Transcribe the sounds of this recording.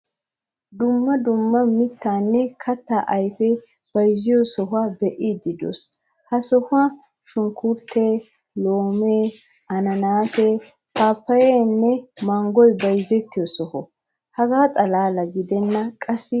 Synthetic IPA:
d̪ʊmːɐd̪ʊmːɐmɪt̪ːaːnːɛkʰɐt̪ːaʔɐjfɛ | b̥ɐjzɪjɔsɔɦʊabɛʔid̪ɪd̪ɔ̰s | hɐsɔhʊa | ʃʊŋkʊɾt̪ʰːeː | loːmeː | ɐnɐnaːsɛ | paːpːɐjɛnːɛmɐŋɡɔjbɐjzɛt̪ːɪjɔsɔhɔ | hɐɡaːt̪ʼɐlaːlɐɡɪd̪ɛnːɐkʼɐsːɪ

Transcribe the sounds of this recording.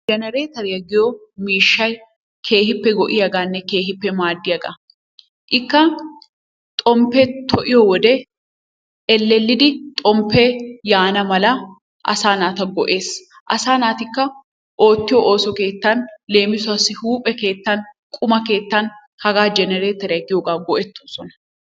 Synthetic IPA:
d͡ʒɛnɛɾeːt̪ɐɾɪjɐɡɪjo | miːʃːɐj | kʰe̞ːhɪpːɛɡɔʔɪjɐɡaːnːɛke̞ːɦɪpːɛmaːd̪ːɪjɐɡɐ̰ | ʔɪkːɐ | t̪ʼɔmpːɛt̪ʰɔʔɪjɔwɔd̪ɛ | ɛlːɛlːɪd̪ɪt̪ʼɔmpːejaːnɐmɐlɐ | ʔɐ̰saːnaːt̪ɐɡɔʔe̞ːs | ʔɐsaːnaːt̪ɪkːɐ | ʔo̞ːt̪ːɪjɔʔoːsɔke̞ːt̪ːɐnle̞ːmɪsʊɐsːɪhuːpʼɛke̞ːt̪ːɐn | kʼʊmɐke̞ːt̪ːɐn | hɐɡaːd͡ʒɛnɛɾeːt̪ɛɾɐɡɪjoːɡaːɡɔʔɛt̪ːosɔnɐ̥

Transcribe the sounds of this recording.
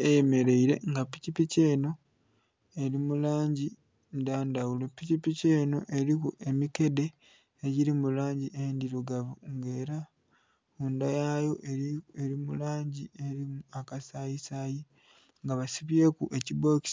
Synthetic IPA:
ejeme̞ɾe̞iɾe̞̰ŋɡapicipice̞ːno̞ | e̞ɾimulaːɲɟi | ndaːndawulepːicipice̞ːno̞̰ʔe̞ɾikuʔe̞mike̞de̞ː | ɟiɾimulaːɲɟiʔendiɾoɡaβuŋɡe̞ːɾa | undajajo̞ʔeɾimulaːɲɟie̞ɾimuakasajisaːji | ŋɡaβasiβje̞kuʔe̞cibo̞ːki̥s

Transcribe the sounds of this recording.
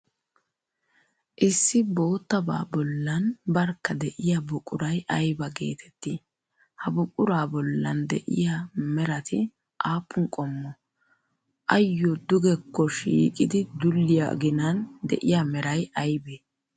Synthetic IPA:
ʔɪsːɪbo̞ːt̪ːɐba̰ːbɔlːɐnbɐɾkːɐd̪ɛʔɪjabʊkʼʊɾɐjɐjbɐɡe̞̰ːt̪ʰɛ̥t̪ːi | hɐbʊkʼʊɾaːbɔlːɐ̰nd̪ɛ̰ʔɪ̰jamɛɾɐt̪ʰɪ | ʔaːpːʊŋkʼɔmːɔ | ʔɐjːɔd̪ʊɡɛkːɔʃiːkʼɪd̪ɪd̪ʊlːɪja̰ɡɪnɐnd̪ɛ̰ʔɪjamɛɾɐjɐjbeː

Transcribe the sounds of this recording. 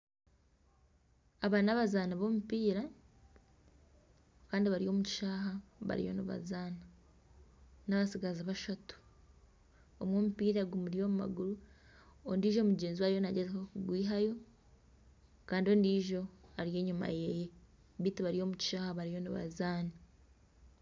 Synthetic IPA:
aβanaβazaːnaβo̞mupiːɾa | kaːndiβaɾijo̞ːmuci̥ʃaːɦaβa̰ɾḭjo̞̰niβa̰zaːna | naβasiɡazaβaʃatu̥ | omwoːmupiːɾaɡumuɾijo̞ːmuma̰ɡuɾu | ondiːʒo̞ːmuɟeːnziwaːjonaɟezehokuɡwiːɦajo̞ | kaːndio̞ːndiːʒo̞aɾije̞ːɲuma̰jeje | βiːtiβaɾijo̞ːmuci̥ʃaːhaβaɾijo̞niβa̰zaːna

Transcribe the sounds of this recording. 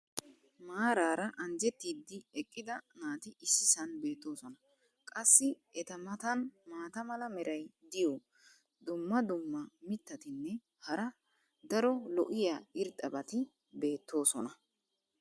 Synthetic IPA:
maːɾaːɾɐʔɐnd͡ʒɛt̪ːiːd̪ːɪɛkʼːɪd̪ɐnaːt̪ɪʔɪsːɪsɐnbe̞ːt̪ːo̞ːsɔnɐ | kʼɐsːɪ | ɛt̪ɐmɐt̪ɐnmaːt̪ɐmɐlɐmɛɾɐjd̪ɪjɔ | d̪ʊmːɐd̪ʊmːɐmɪt̪ːɐt̪ɪnːɛ | hɐɾɐ | d̪ɐɾɔlɔʔɪjaːɪɾt̪ʼɐbɐt̪ɪ | be̞ːt̪ːo̞ːsɔnɐ

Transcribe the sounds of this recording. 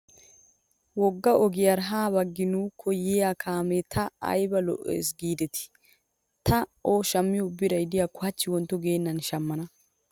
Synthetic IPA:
wɔɡːɐʔɔɡɪjaɾɦaːbɐɡːɪnuːkʰːɔjɪjaːkʰaːmɛt̪ʰɐɐ̰jbɐlɔ̰ʔḛːs̬ɡiːd̪ɛt̪ɪ̥ | t̪ʰɐoːʃɐmːɪjɔʊbːɪɾɐjd̪ɪjaːkʊhɐt͡ʃːɪwɔnt̪ːɔɡeːnːɐnʃɐmːɐnɐ

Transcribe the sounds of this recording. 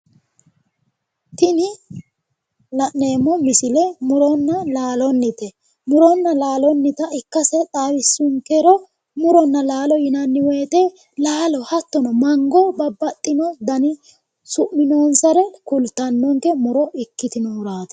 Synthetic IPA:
t̪ɪnɪ | lɐʔːe̞ːmːɔmɪsɪlɛmʊɾɔnːɐlaːlɔnːɪt̪ɛ | mʊɾɔnːɐlaːlɔnːɪt̪ɐɪkːɐsɛt̪ʼaːwɪsːʊŋkɛɾɔ | mʊɾɔnːɐlaːlɔjɪnɐnːɪwɛjt̪ɛ | laːlɔhɐt̪ːɔnɔmɐŋɡɔbɐbːɐt̪ʼːɪnɔd̪ɐnɪ | sʊʔmɪnoːnsɐɾɛkʊlt̪ːɐnːɔŋkɛmʊɾɔʔɪkːɪt̪ɪnɔːɾaːt̪ɛ̥

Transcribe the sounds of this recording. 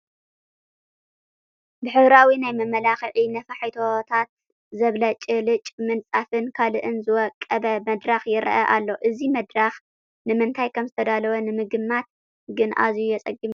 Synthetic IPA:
bɨħɨβɾawinajmɐmɐlaxɨʕinɐfaħit̪ʰot̪ʰat̪̚ | zɐβlɐt͡ʃʼɨlɨt͡ʃʼmɨnt͡sʼafɨnkʰalɨʔɨnzɨwɔkʼːɐbɐmɐd̪ɾaxjɪɾɐ̰ʔɐ̰ʔalːo̞ʔɨzimɐd̪ɾax | nɨmɨnt̪ʰajkʰɐmzɨt̪ʰɐd̪alɐwɐnɨmɨɡɨmːat̪̚ | ɡɨnʔa̰zjujɛt͡sʼɐɡɨm

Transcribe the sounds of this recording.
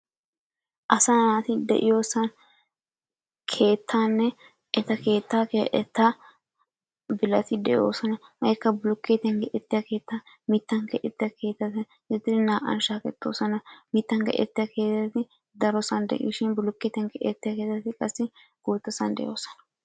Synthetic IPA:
ʔɐsanaːt̪ɪd̪ɛ̰ʔɪjoːsɐn | kʰe̞ːt̪ːaːnːɛ | ʔɛt̪ɐkeːt̪ːakeʔɛt̪ːa | bɪlɐt̪ɪd̪ɛʔɪjo̰ːsɐnɐhɐkːɐbʊlʊkːeːt̪ɛŋɡɛʔɛt̪ːɪjake̞ːt̪ːa | mɪt̪ːɐŋkɐʔɛt̪ːɪjɐkʰe̞ːt̪ːɐt̪ɪ | ɪt̪ːɪɪnaːʔɐ̰nʃaːkɛt̪ːo̰ːsɐnɐmɪt̪ːɐŋkɐ̰ʔɛ̰t̪ːɪjɐke̞ːt̪ːɐt̪ɪ | d̪ɐɾɔsɐnd̪ɛ̰ʔḭːʃɪnbʊlʊkːeːt̪ɛŋɡɛʔɛt̪ːɪjakeːt̪ːɐt̪ɪkʼɐsːɪ | ɡ̥uːt̪ːɔsɐnd̪ɛ̰ʔjoːsɐ̥nɐ̥

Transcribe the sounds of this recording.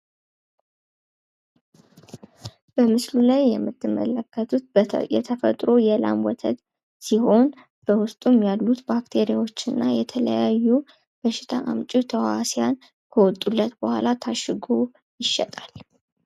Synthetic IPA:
b̥əmɨslulajːɛmːɨt̪ʰːɨmːə̰ləkʰːət̪ʰut̪̚jɛ̰t̪ʰəfə̰t̪ʼɾo̞jɛla̰mwɔt̪ʰə̰t̪ | siho̞n | b̥əwʊst̪ʼumjalːut̪bakt̪ʰeɾijawot͡ʃːɨnːajɛt̪ʰələjajːu | b̥əʃɪ̥t̪ʰa̰ʔamt͡ʃʼit̪ʰəwasijan | kʰəwɔt̪ʼːulːət̪bəhʷa̰lat̪ʰaʃɨɡo | jɪʃːɛt̪ʼal

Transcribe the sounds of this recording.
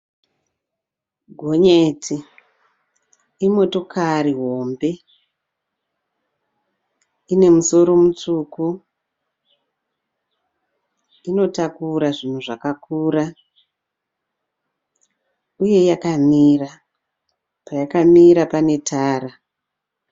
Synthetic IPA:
ɡʱo̞ɲetʰi | imo̞to̞kʰariɦo̞mbe̞ | ine̞muso̞ɾo̞mut͡ʂuku | ino̞takuɾaʐin̤uʐakakuːra | uje̞jakamiːra | pajakamiɾapane̞tʰaːra

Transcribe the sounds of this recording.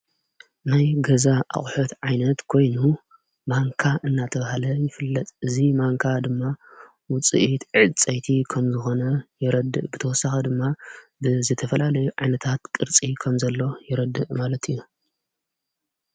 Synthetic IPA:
najɡɐzaʔa̰χʼħot̪ʕajnɐt̪kʰo̞jnu | maŋkʰaʔɨnːat̪ʰɐβahalɐjɪfɨlːɐt̪ʼʔɨzimaŋkʰad̪ɨmːa | wʊt͡sʼḭʔit̪ʕɨt͡sʼɐjt̪ʰikʰɐmzɨxo̞nɐjɪɾɐd̪ːɨʔbɨt̪ʰɐwɔsːaxɐd̪ɨmːabɨzɨt̪ʰɐfɐlalɐjuʕajnɐt̪ʰat̪kʼɨɾt͡sʼikʰɐmzɐlːo̞jɪɾɐd̪ɨʔmalɐt̪ʰiju

